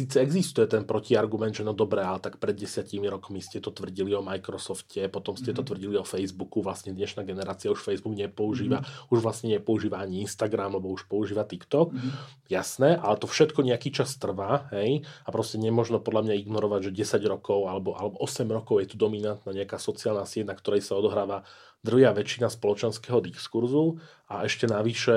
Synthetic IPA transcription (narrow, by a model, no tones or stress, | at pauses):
siːt͡sɛɛɡzist̪ujɛt̪ɛnpɾɔciaɾɡumɛnd̪ʒɛnɔd̪ɔbɾɛːalɛt̪akpɾɛd̪ɟɛsɪacimiɾɔkmiscɛt̪ɔt̪ʋr̩ɟiliɔmajkɾɔsɔfcʰɛpɔt̪ɔmscɛt̪ɔt̪ʋr̩ɟiliɔfɛjzbukuʋlasɲɛd̪ɲɛʃnaːɡɛnɛɾaːt͡siauʃfɛjzbuɡɲɛpɔuʒiːʋauʒʋlasɲɛɲɛpɔuʒiːʋaaɲiinst̪aɡɾamlɛbɔuʃpɔuʒiːʋat̪ikt̪ɔk | jasnɛːʔalɛt̪ɔfʃɛt̪kɔɲɛakiːt͡ʃast̪r̩ʋaːɦɛjapɾɔscɛɲɛmʊɔʒnɔpɔd̪lamɲaiɡnɔɾɔʋaɟʒɛɟɛsaɟɾɔkɔʊalɛbɔʔa̰lɛbɔʔɔsɛmɾɔkɔʊjɛt̪ud̪ɔminant̪naːɲɛakaːsɔt͡siaːlnasɛd̪̚nakt̪ɔɾɛjsaɔd̪ɔɦɾaːʋa | d̪r̩ɦjaːʋɛt͡ʃinaspɔlɔt͡ʃɛnskɛːɦɔd̪ikskuɾzu | aɛʃcɛnaʋiʃɛ